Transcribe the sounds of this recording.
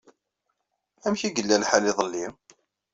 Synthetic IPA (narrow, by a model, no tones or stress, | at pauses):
æmçiɡəlːælħalɪðˤəlːi